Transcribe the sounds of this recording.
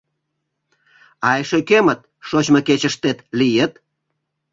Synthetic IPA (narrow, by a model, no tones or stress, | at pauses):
ɑjʃekemət̪̚ʃot͡ɕməket͡ɕəʃt̪et̪lijət̪